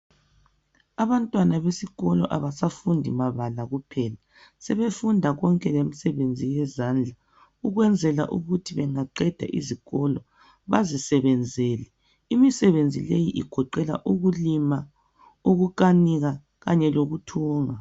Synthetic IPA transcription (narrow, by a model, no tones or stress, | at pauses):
aβantʼwanaβesiɣɔlɔʔaβasafundʱḭmaβalaɣupʰɛla | sɛβefundʱaɣɔŋkʼɛlemisɛβend͡zʱijɛzaːnd͡ɮʱa | uɣwɛnd͡zʱɛlaʔuɣutʰiβɛŋaǃɛd̥ʱa̰ʔḭziɣɔlɔ | βazisɛβɛnd͡zʱɛːlɛ | imisɛβend͡zʱilejiʔiɡ̥ʱɔǃɛla̰ʔuɣulima | uɣuǃaniɣa | ɣaɲɛloɣutʰuːŋa